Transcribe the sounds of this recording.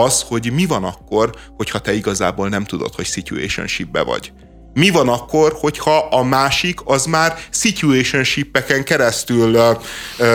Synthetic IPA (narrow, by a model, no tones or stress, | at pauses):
ɒsho̞ɟmivɒnɒkːo̞r | ho̞chɒt̪ɛiɡɒza̰ːboːlnɛmt̪ud̪o̞̰t̪ho̞csicṵḛːʃo̰nʃibːɛ̰vɒ̰ɟ | mivɒnɒkːo̞rho̞chɒʔɒmaːʃikɒzmaːrsicueːʃo̞nʃipːɛkɛŋkɛɾɛst̪yl